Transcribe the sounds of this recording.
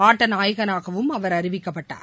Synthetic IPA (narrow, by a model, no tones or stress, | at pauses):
aːʈːɐnaːjɣɐnaːɣɐʋɯmɐʋɐɾɐɾɪʋɪkːɐpːɐʈːa̰ːɾ